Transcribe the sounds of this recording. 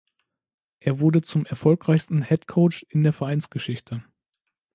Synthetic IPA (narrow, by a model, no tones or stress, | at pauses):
ʔeːɐvʊɐdət͡sʊmɛɐfɔlkʁ̥aɪçstn̩hɛtkʰoʊt͡ʃɪndeːɐfɛɐʔaɪnt͡sɡ̥əʃɪçtʰə